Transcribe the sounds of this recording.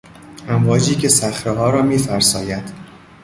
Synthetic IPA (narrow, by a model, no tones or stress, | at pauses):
ʔæmvɒːd͡ʒiːcʰe̞sæxɾeɦɒːɾɒːmiːfæɾsɒːjæd̪̥